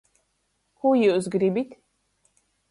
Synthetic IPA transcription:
xujizɡɾibit̪ʰ

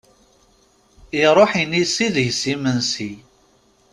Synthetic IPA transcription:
iɾˤoħinisiðʝsimənsi

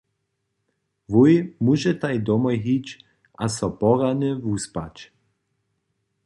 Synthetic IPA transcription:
vujmuʒɛt̪ajd̪ɔmɔjɦit͡ʃ | asɔpɔʁanɪvuspa̰t͡ʃ

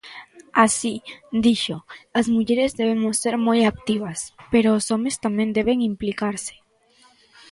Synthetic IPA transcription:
asid̪iʃoazmuʎeɾezðeβemosːeɾmojak̚t̪iβaspeɾoːsomest̪amẽnd̪eβ̞eŋimplikaɾse̥

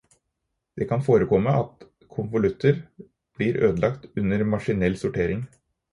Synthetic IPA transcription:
d̪̥eːkʰɑnfoːɾəkʰɔməʔɑt̪ | kʰʊnʋʊlʉt̪ʰːəɾ | b̥liːɾʔøːd̪əlɑkt̪ʉnəɾmɑʂɪnɛlsʊʈʰeːɾɪŋ

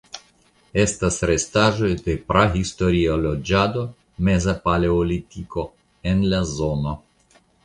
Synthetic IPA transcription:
e̞stasɾestaʒo̞jd̪e̞pɾaɦistoɾiolod͡ʒad̪o̞ | mezapaleolit̪iko̞ | enlazono

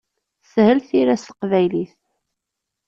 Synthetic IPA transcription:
shəlθiɾæst̪ə̥qvæjliθ

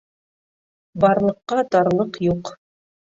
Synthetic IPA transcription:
bɑɾlˠɤ̆qːɑt̪ɑɾlˠɤqjuq

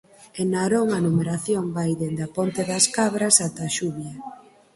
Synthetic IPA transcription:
enaɾoŋanumeɾaθjoŋbajðend̪ɐpont̪eðɐskaβɾɐsat̪aʃuβjɐ

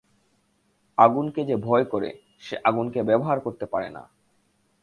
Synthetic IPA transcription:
aɡunked͡ʑebʱɔekoɾḛ | ʃeʔaɡunkebɛboɦaɾkoɾt̪epaɾḛna̰

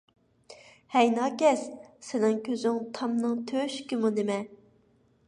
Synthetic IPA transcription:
hɛjnɑːkʲɛssɪnɪŋkʲʰøzyŋt̪ʰɑmnɨŋt̪ʰøːʃkʲimunemɛ

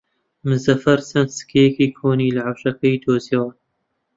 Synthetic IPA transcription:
mɨzɐfɐɾsɐnsɨ̥kʰejɛkiːkʰoːniːlɨʕawʃɐkɐjd̪oːziɑːn

